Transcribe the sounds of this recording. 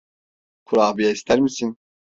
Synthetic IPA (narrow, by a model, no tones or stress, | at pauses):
kʰuɾaːbijaist̪ʰæɾmisin